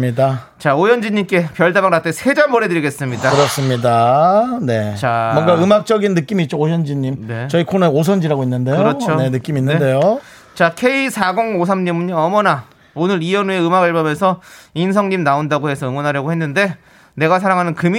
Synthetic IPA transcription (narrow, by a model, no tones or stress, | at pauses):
ida | t͡ɕaojʌnd͡ʑiɲːimk͈e̞pjʌɭdabaŋɾat͈ʰesʰe̞d͡ʑambʌɾe̞dɯɾiɡe̞s͈ɯmɲidaɯɾʌs͈ɯmɲidane̞t͡ɕamwʌɡaɯmak̚t͡ɕ͈ʌɡinːɯk͈imiːt̚t͡ɕ͈oojʌnd͡ʑiɲːimnet͡ɕʌikʰoneos̬ʰʌnd͡ʑiɾaɡoinːɯnde̞jɯoɾʌt͡ɕʰone̞nɯk͈iminːɯnde̞jo | t͡ɕakʰe̞isʰaɡoŋosʰamɲimuɲiʌmʌna | onɯɾiʌnue̞ɯmaɡɯɭbamesʰʌinsʰʌŋɲimnaondaɡohe̞sʰʌɯmunɦaɾjʌɡohenːɯnde̞ | ne̞ɡas̬ʰaɾaŋɦanɯnkɯm